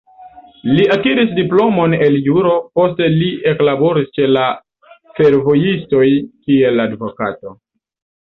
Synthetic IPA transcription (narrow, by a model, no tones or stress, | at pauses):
liakiɾisdiplo̞mo̞ne̞ljuɾo̞po̞ste̞lie̞klabo̞ɾist͡ʃe̞la | fe̞ɾvo̞jisto̞jkie̞ladvo̞kato̞